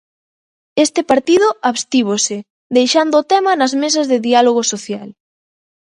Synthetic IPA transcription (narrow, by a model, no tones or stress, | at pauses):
est̪ɪpaɾt̪iðʊaβst̪iβ̞osɪ | d̪ejʃand̪oːt̪ɛmɐnɐzmes̬ɐzðɪðialoɣosoθjal